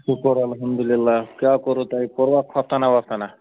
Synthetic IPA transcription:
kikɔɾoɐlɦɐmd̪ulilːakjakɔɾot̪aipɔɾʋakʰɔst̪anaʋast̪ana

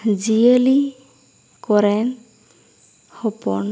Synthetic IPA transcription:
d͡ʒijəli | kɔɾɛn | hɔpɔn

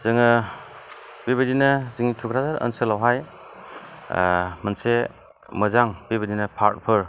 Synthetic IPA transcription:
z̥ɯŋɯ | biβɐdinɐziŋitʰukʰɾazaɾə̰nselawɦaj | mɐnse | məzaŋbibədinɐpʰaɾt̚pʰɯɾ

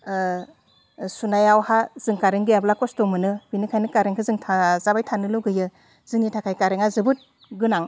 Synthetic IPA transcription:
sunajawhaz̥ɯŋkaɾeŋɡɯjablakɔstɔmɯnɯbinikʰajnɯkaɾeŋkʰɯzɯŋtʰazabajtʰanɯlɯɡɯjɯ | z̥ɯŋnitʰakʰajkaɾeŋazɯbɯt̚ | ɡɯnaŋ

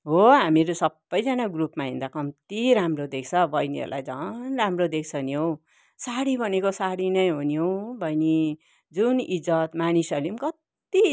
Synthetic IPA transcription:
ɦoɦamiɾosʌbːʌjd͡zʌnaɡrupmaɦḭ̃nd̪akʌmt̪iɾamrod̪ekʰt͡sʰʌbʱʌjniʌ̰ɾula̰jd͡zʌnramrod̪ekʰt͡sʰʌniow̃ | saɽibʱʌnekosaɽinʌjɦuniowbʱʌjni | d͡zunid͡zʌt̪manisʌlimkʌt̪ | i

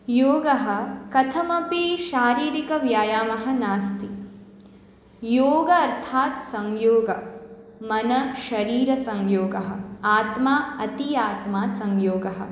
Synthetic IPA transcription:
joːɡɐɦɐ̆kɐt̪ʰɐmɐpiʃaːɾiːɾikɐʋjaːjaːmɐɦɐ̆naːst̪i | joːɡɐɐɾt̪ʰaːt̪sɐŋjoːɡɐ | mɐnɐʃɐɾiːɾɐsɐŋjoːɡɐɦɐ̆aːt̪maːɐt̪ijaːt̪maːsɐŋjoːɡɐɦɐ̰̆

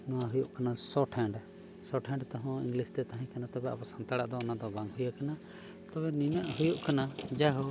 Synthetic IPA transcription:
nɔwaɦujuʔkanasɔʈʰɛ̃ɳɖ | sɔʈʰɛ̃ɳɖt̪ɔɦɔ̃iŋɡlist̪ɛt̪aɦɛ̃kanat̪ɔbɛa̰pasant̪aɽaʔd̪ɔɔnad̪ɔbaŋɦujakana | t̪ɔbɛninaʔɦujuʔkanad͡ʒaɦɔ

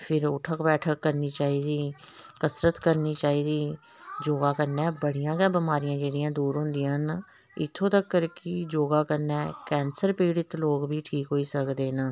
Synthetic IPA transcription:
pʰɪɾʊʈʰəkbɛːʈʰəkːəɾniːt͡ʃaːiːd̪iː | kəsɾət̪kəɾniːt͡ʃaːiːd̪iː | d͡ʒoːɡaːkəɾnɛ̃ːbəɽijãːɡɛ̃ːbɪmaːɾɪjãːd͡ʒeːɽɪjãːd̪uːɾɦʊ̃ːnd̪ɪjãːɦn | ɪt̪ʰːõːt̪əkːəɾkɪd͡ʒoːɡaːkəɾnɛːkɛːnsəɾpiːɽɪt̪loːɡbʱiːʈʰiːkɦoːiːsəkd̪eːnaː

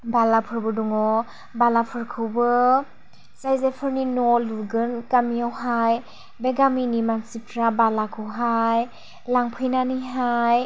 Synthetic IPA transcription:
balapʰɯɾbɯduŋɔ | balapʰɯɾkʰɯwbɯ | zajzepʰɯɾninɔlɯɡɯnkamiawɦaj | beɡaminimansip̚tʰɾabalakʰɯɦaj | laŋpʰɯjnaniɦaj

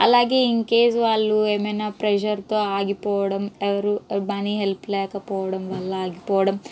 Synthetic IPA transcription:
ɐ̰lːaːɡeiŋkeːsʋaːlːuemenapɾeʃɐɾt̪oːaːɡipoːɽɐmeʋɐɾumɐniɦelpleːkɐpoːɽɐmʋɐlːɐaːɡipoːɽɐm

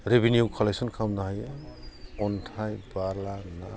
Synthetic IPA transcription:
ɾebinjuwkʰɔlejsɔnkʰamnaɦaj | ɔntʰajbaɾlana

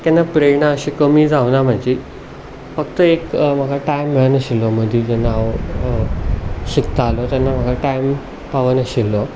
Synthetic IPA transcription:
kanːapɾeɳaəɕikəmiːd͡zaʋnam̤əɳd͡ʑi | fəkt̪əekm̤əɡʱaʈajmːeɭənəɕilɔməd̪ʱid͡ʑanaʋ | ɕikt̪aalot̪janːam̤əɡʱaʈajm | paʋənəɕilːɔ

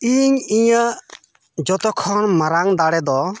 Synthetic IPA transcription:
iɲiɲə | d͡ʒɔt̪ɔkʰɔnmaɾaŋd̪aɽɛd̪ɔ

